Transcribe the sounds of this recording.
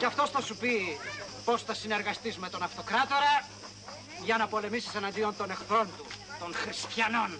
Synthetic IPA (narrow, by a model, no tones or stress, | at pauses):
ceɐft̪o̞sθɐsupipo̞sθɐsine̞ɾɣɐst̪izme̞t̪o̞nɐft̪o̞kɾɐt̪o̞ɾɐ | ʝɐnɐpo̞le̞misi̥senɐnd̪io̞nt̪o̞nexθɾo̞nt̪ut̪o̞ŋxɾist̪çɐno̞n